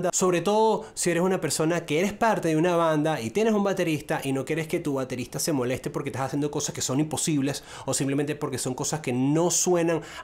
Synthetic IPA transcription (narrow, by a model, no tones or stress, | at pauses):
d̪aso̞βɾe̞t̪o̞ðo̞sie̞ɾesunape̞ɾso̞nakeeɾe̞spaɾt̪e̞ðeunaβand̪ait̪je̞nesumbat̪e̞ɾist̪aʔino̞kje̞ɾe̞ske̞t̪uβat̪e̞ɾist̪ase̞mo̞le̞st̪e̞poɾket̪asasjend̪o̞ko̞saske̞so̞nimpo̞siβle̞s | o̞simplement̪e̞po̞ɾke̞so̞ŋko̞saske̞no̞swe̞naŋ